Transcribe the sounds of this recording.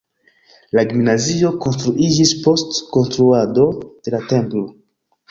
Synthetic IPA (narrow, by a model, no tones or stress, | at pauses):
laɡimnazio̞ko̞nstɾuʔid͡ʒispo̞stko̞nstɾuado̞d̥e̞late̞mplo̞